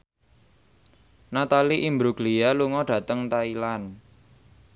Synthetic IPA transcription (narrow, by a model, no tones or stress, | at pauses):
nat̪aliʔimbɾuɡlijaluŋɔɖ̥ä̤t̪əŋt̪ailan